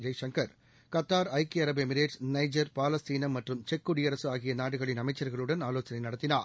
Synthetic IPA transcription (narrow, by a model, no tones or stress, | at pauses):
d͡ʒɐɪʂɐŋkɐɾ | kɐt̪ːaːɾɐɪkiɐɾɐbɛmɪɾeːʈsnɐɪd͡ʒɐɾpaːlɐst̪iːnɐmɐʈrɯmt͡ʃɛkːuɽijɐɾɐsɯaːɣɪjɐnaːɽɯɣɐɭɪnɐmɐɪt͡ʃːɐɾɣɐɭɯɽɐnaːloːt͡ʃɐnɐɪnɐɽɐt̪ːɪnaːɾ